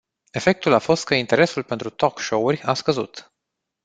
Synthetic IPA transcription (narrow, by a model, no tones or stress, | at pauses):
e̞fe̞k̚t̪ulafo̞st̪̚kəint̪e̞ɾe̞sulpe̞nt̪ɾut̪o̞kʃo̞urʲaskəzṵt̪